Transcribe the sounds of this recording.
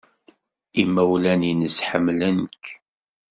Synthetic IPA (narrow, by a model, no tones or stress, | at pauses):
imːæwlæninəsħəmːlænək